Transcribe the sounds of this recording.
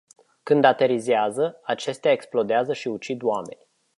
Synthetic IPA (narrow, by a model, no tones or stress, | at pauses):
kɨnd̪at̪e̞ɾizeazəat͡ʃe̞st̪eaeksplo̞d̪eazəʃiut͡ʃid̪wame̞̰nʲ